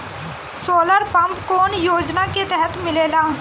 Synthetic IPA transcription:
soːləɾpɐ̃mpkoːnjoːd͡ʒnaket̪ɛɦət̪mɪleːlaː

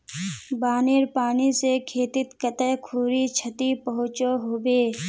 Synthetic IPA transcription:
baːneːɾpaːnisekʰeːt̪ɪt̪kət̪əkʰuːɾit͡ʃʰət̪ipəɦʊ̃t͡ʃoɦoːbeː

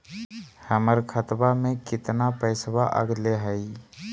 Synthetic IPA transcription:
həməɾkʰət̪bamẽkɪt̪napəɪsbaʔə̰ɡleɦəi

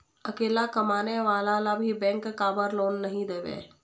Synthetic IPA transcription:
ɐkeːlakɐmaːneʋaːlalabʱibɛ̃ːŋkːaːbəɾloːnːɐɦĩd̪eːʋḛː

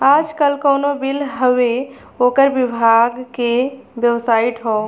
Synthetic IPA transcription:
aːd͡ʒkəlkəʊnobilɦəʋe | oːkəɾbibʱaɡkebjəʋsaiʈɦɔ

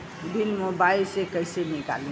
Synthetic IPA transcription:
bʱilmobailsekəjsenika̰lĩ

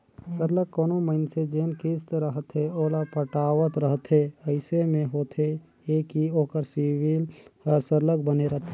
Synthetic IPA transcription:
səɾləkːɔːnoməɪnsed͡ʒeːnkɪst̪ɾəɦt̪ʰeoːlapəʈaːʋət̪ɾəɦt̪ʰeəɪsemẽɦoːt̪ʰe | eːkioːkəɾsiwiləɾsəɾlək̚bəneɾəɦt̪ʰe

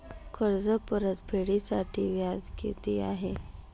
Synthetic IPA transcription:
kʰəɾd͡zəpəɾət̪bʱeɽisaʈʰiːʋjad͡zkḛt̪iːa̰ɦe

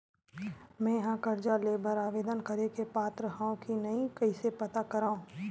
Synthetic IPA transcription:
mɛ̃ːjɐɦãkɐɾd͡ʒaleːbəɾaːʋeːd̪ənkɐɾekepaːt̪ɾəɦãːõkinɐĩkɐisepɐt̪akɐɾaːõː

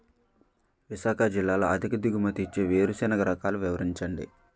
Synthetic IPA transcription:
ʋisaːkɐd͡ʒilːaːloːɐd̪ʱikɐd̪iɡumɐt̪it͡ʃːeːʋeːɾusɛːnɐɡɐɾɐkaːluʋiʋɐɾiɲt͡ʃɐɳɖḭ

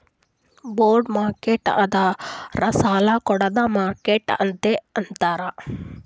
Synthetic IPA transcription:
boːɾɖmaːɾkeʈɐd̪ɐɾɐsaːlɐkɔɽɐd̪ɐmaːɾkeʈɐ̰nt̪eɐnt̪aːɾɐ

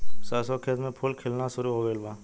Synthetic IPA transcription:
sasɔkʰeːt̪mẽpʰʊlkʰeːlnaʃʊɾuɦoːɡəɪlbaː

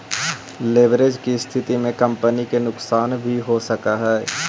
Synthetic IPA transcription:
leːʋɾed͡ʒkist̪ʰɪt̪imẽkɐ̃mpənikenʊksaːnbʱiɦosɐkaɦɛː

